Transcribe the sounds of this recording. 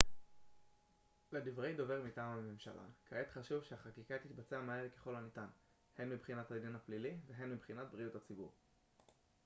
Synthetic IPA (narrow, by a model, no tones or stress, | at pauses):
ledivʁejdove̞ʁmitaːmame̞mʃa̰lʔa̰kʰaet̪χaʃuvʃeaχakikat̪it̪bat͡seamaelke̞χo̞lanit̪an | he̞nmibχinat̪had̪inhapliliveɦe̞nmibχinat̪̚bʁijutat͡sibuʁ